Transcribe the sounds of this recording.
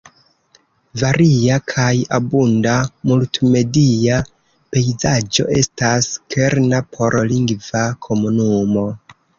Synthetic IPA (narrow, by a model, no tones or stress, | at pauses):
vaɾiakʰajabundamultme̞dija | pe̞jzad͡ʒo̞̰ʔe̞̰staskʰeɾnapʰo̞ɾliŋɡvakʰo̞munumo̞